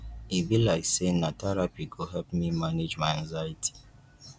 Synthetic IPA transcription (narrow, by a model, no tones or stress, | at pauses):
ibilaɪksenatʰɛɹapiɡoɦɛlp̚mimaned͡ʒmaɪɛ̃nzajitʰi̥